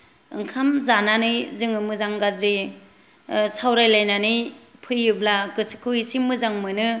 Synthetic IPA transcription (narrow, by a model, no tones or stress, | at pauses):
ɯ̰ŋkʰamzananɯjzɯŋɯmɯzaŋɡazɾi | sawɾajlajnanɯjpʰɯjːublaɡɯsi̥kʰɯwisimɯzaŋmɯnɯ